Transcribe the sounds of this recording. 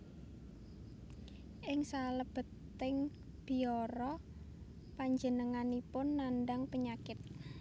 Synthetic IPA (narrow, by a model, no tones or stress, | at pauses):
ʔɪŋsaləb̥ə̤t̪ːɪŋ | b̥i̤ɔɾɔ | paɲd͡ʒənəŋanipʊnːanɖaŋpəɲakɪt̪̚